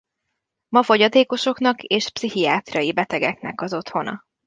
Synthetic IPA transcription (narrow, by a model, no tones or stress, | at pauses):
mɒfo̞ɟɒt̪eːko̞ʃo̞knɒkeːʃpsihijaːt̪rɒjibɛt̪ɛɡɛknɛ̰kɒzo̞t̪ho̞nɒ̰